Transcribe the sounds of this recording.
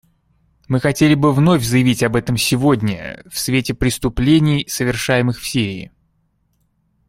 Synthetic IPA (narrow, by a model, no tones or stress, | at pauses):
mɨxɐtʲelʲɪbɨvno̞fʲzəjɪvʲitʲɐbɛt̪əmsʲɪvo̞dʲnʲə̰fsvʲetʲɪpɾʲɪst̪ʊplʲenʲɪjsəvʲɪrʂajɪmɨxfsʲiɾʲɪ̰ː